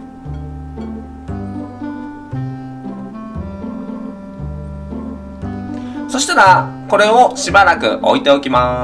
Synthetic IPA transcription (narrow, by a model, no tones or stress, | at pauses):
so̞ɕi̥t̪aɾako̞ɾe̞o̞ɕibaɾakɯ̟̰ʔo̞̰it̪e̞o̞kʲima